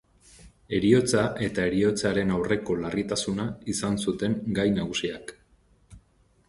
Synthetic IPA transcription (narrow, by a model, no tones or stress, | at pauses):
e̞ɾio̞t͡saʔe̞t̪ae̞ɾio̞t͡saɾe̞nawre̞ko̞larit̪asunaisansut̪e̞ŋɡajnaɣ̞usiak